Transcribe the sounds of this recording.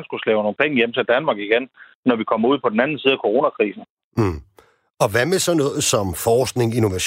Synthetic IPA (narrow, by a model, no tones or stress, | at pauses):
nsɡ̥uslɛ̰ʊɐno̝ːn̩pʰeŋəjemət͡sʰeld̥ænmɑ̈ːɡ̥iɡ̥en | nɒʋikʰɒ̽m̰ɐuð̞̰ˠpʰɒ̽d̥n̩ænn̩siːð̞̩ˠækʰoʁo̝ːnækʰʁḭːsn̩ | ɒ̽ʋæmesɒ̽nɔ̽ːð̩ˠsɒ̽mfɒːsɡ̥ne̝ŋeno̝ʋæɕ